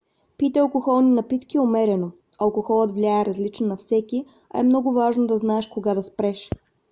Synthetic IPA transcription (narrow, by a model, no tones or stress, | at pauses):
pit̪ɛɐlˠkoxɔlˠnʲinɐpit̪kiomɛɾɛno | ɐlˠkoxɔlˠət̪vlʲiaɛɾɐzlit͡ʃnonɐfsɛkʲi | ɐ̰ɛmnɔɡʊvaʒnod̪ɐznaɛʃkoɡad̪ɐspɾɛʃ